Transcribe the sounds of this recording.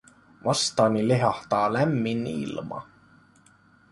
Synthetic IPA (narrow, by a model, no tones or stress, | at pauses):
ʋɑst̪ɑːnileɦɑht̪ɑːlæmːinːḭlmɑ̰